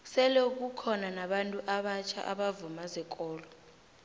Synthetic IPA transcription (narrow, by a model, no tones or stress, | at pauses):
sɛlɛuk̬ukʰɔnanaɓantʼuʔaɓat͡ʃʰa̰ʔa̰ɓavumazɛkʼɔːlɔ